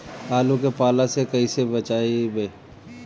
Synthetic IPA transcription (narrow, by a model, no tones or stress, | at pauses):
aːlũkepaːlasekɐisebɐt͡ʃaːibeː